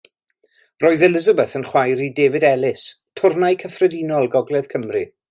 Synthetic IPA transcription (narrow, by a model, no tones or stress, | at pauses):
roːɨðɛlˠɪzəbɛθənχwajɾideːvɪdɛlˠɪs | tʰʊrnajkʰəfrədinɔlˠɡɔɡlˠɛð̥kʰəmri